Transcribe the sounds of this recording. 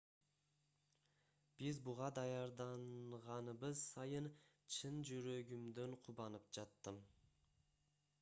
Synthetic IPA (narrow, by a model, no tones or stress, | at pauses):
b̥ɪzbʊʁɑd̪ɑjɑɾd̪ɑnʁɑnəbəzsɑjən | t͡ʃʰɪnd͡ʒʊɾøɡʲɪmd̪eɴqʰʊbɑnəp̚d͡ʒɑt̪ːəm